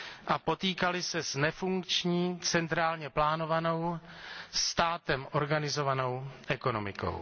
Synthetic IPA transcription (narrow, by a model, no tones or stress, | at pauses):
ʔapo̞t̪iːkalɪsɛznɛfuŋkt͡ʃɲiːt͡sɛnt̪ɾaːlɲɛplaːno̞vano̞w | st̪aːt̪ɛmʔo̞ɾɡanɪzo̞vano̞wʔɛko̞no̞mɪko̰w